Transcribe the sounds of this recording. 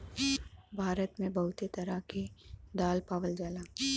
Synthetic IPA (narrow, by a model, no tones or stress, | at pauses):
bʱaːɾət̪mẽbɐɦʊt̪et̪ɐɾaked̪aːlpaːʋəld͡ʒaːlaː